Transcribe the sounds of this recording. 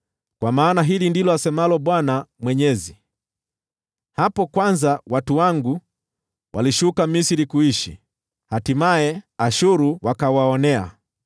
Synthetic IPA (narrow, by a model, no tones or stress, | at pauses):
kwamaːnaɦilindilɔasɛmalɔɓwanamwɛɲɛzi | hapɔkwanzawatuwaŋɡu | wʔaliʃukamisiɾikuiʃḭ | hatimaɛaʃuɾuwakawaɔnɛa̰